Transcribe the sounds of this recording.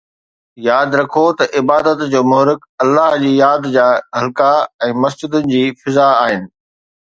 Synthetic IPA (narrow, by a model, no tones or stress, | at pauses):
jaːd̪ɾɐkʰot̪ɐʔɪbaːd̪ət̪d͡ʑoːmʊɦɾɪkɐlːaɦd͡ʑiːjaːd̪d͡ʑaːɦɐlkaɛ̃ːmɐsd͡ʑɪd̪ənɪ̆d͡ʑiːfɪzaaːɦɪnɪ̆